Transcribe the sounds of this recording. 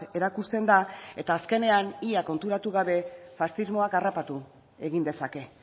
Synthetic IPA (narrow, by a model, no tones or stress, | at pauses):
e̞ɾakust̪e̞nd̪ae̞t̪aːske̞ne̞aniako̞nt̪uɾat̪uɣaβe̞fast̪izmo̞akarapat̪u | e̞ɣind̪e̞sake̞